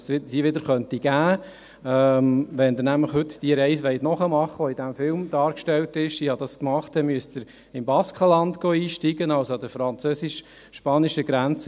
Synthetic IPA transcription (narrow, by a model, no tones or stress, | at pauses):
ɪsiːʋɪd̪əɾχœntiɡ̥æː | ɛmʋɛnd̪əɾnæmləχɦɵtd̥iəɾɛɪsʋɛɪtnɔχəmɑχːəɔid̥æmfɪlmd̪̥ɑːɾkʃtɛltɪʃsiːhɑd̥̪ɑskmɑχtdɛnmyəstdəɾ | ɪmbɑskχəlɑndɡ̥oːiːʃtiːɡənɑlsoɑd̥əfɾɑnt͡søːsɪʃ | ʃpɑːnɪʃəɡɾænt͡s